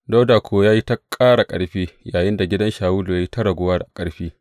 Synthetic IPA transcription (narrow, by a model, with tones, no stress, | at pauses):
da˦wdaː˨kʷʰoː˨˦jaː˦ji˦ta˦kʼaː˦ɽa˨kʼɐ̰˨ɽɸiː˦jaː˨jɪ˦nda˨ɡʲɪ˦dɐ˦nʃaː˨wuː˦lu˨ja˦ji˦ta˦ɽɐ˨ɡʷʊ˦waː˦ɽʔa˨kʼɐ˦ɽɸiː˦